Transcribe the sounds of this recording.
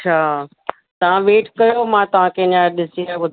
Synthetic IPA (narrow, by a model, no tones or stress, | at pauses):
t͡ɕʰaː | t̪ɐʋ̤ãʋeːʈkɐjomãt̪ɐʋ̤ãkẽɪɲaɾɗɪsiɾaɓʊd̪ʱ